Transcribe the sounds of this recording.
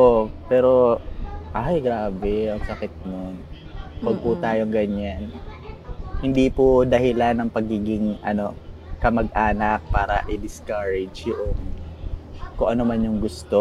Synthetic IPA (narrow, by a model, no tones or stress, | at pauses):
opɛːɾo̞ʔajɡɾaːbɛɐŋsɐkɪt̪̚non | wɐɡ̚put̪aːjoŋɡɐɲan | hɪnd̪ipʊd̪ɐhɪlanɐŋpɐɡiːɡɪŋʔɐno̞kɐmɐɡ̚ʔaːnɐk̚paːɾɐ̰ʔɪd̪ɪskaɹɛd͡ʒjʊʔoŋ | kʊŋʔɐnomanjʊŋɡʊst̪o